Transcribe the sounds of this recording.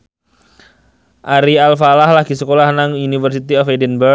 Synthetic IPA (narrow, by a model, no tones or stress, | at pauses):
ʔaɾialfalahlaɡ̥isəkolahnaŋunifərs̬it̪iɔfedɛnbə